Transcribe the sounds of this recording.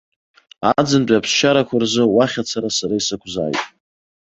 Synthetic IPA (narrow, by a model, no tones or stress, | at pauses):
ad͡zɨnt͡pʼapʰsʃaɾakʷʰarzɨwaχʲat͡sʰaɾasaɾaisakʷʰza̰ːjtʼ